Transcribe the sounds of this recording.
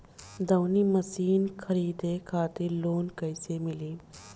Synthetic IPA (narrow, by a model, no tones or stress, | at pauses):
d̪ɐwniməsiːnkʰəɾiːd̪ekʰaːt̪ɪɾloːnkɐɪsemɪliː